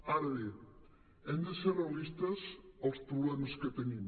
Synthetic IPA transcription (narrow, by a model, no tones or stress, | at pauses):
aɾɐði | ɛnd̪eseɾeɐlist̪ɐsowspɾoβlɛmɐsket̪eɲim